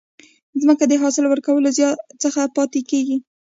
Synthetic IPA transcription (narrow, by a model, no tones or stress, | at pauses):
zməkad̪əɦɑsɪlwəɾkawəlozjɑt̪t͡səxapɑt̪ekeɡi